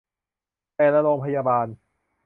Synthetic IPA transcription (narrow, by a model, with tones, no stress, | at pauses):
pɛː˧lɛ˦˥ɾoː˧ŋpʰa˧jaː˧baː˧n